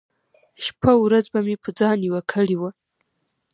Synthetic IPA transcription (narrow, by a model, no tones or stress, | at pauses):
ʃpʰauɾɐd͡zbamipʰd͡zaːniwakʰɐɽiwa